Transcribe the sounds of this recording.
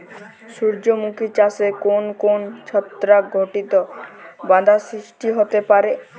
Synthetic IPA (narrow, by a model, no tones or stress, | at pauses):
ʃuɾd͡ʑomukit͡ɕasekonkont͡ɕʰɔt̪ːɾaɡʱoʈit̪obãd̪ʱasɾiʃʈiɦot̪epaɾe